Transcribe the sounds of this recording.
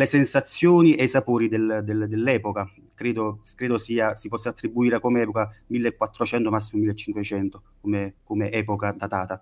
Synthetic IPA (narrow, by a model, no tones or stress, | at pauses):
lesɛnsat̪sːjoːniʔejsapoːɾid̪eld̪eld̪ɛlːɛːpoka | kɾeːd̪okɾeːd̪osiːasipɔsːaːt̪ːɾibːuiːɾakomɛːpokamilːekːwat̪ːɾot͡ʃɛnt̪omas̬ːimomilːet͡ʃːiŋkwet͡ʃɛnt̪okomekomeʔɛːpokad̪at̪aːt̪a